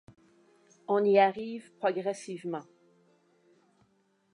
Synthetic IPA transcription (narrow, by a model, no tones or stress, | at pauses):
ɔ̃niaʁivpχɔɡʁɛsivmɑ̃